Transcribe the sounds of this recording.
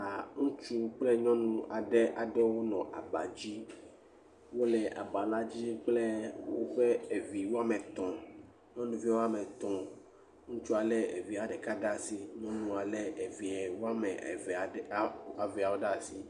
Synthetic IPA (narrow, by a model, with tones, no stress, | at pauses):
a˨ŋũ˦t͡ʃu˦k͡plɛ˦ɲɔ̃˦nũ˦a˨ɖɛ˦ʔa˨ɖɛ˦wo˦nɔ̃˨ʔa̰˨ba̰˨d͡ʑi˦ | wo˦lɛ˨ʔa̰˨ba˨la˦d͡ʑi˦k͡ple˦wo˦ɸe˦e˨vi˨wo˦a˦mɛ̃˨t̪ɔ̃˨ | ɲɔ̃˦nũ˦vi˦wo˦a˦mɛ̃˨t̪ɔ̃˨ | ŋũ˦t͡ʃu˦a˨lɛ˦ḛ˨vi˨a˨ɖɛ˨ka˦ɖa˦si˦ɲɔ̃˦nũ˦a˨lɛ˦e˨vi˨ɛ˨wo˦a˦mɛ̃˨va˨˦a˨vi˨a˨wo˦ɖa˦˨si˦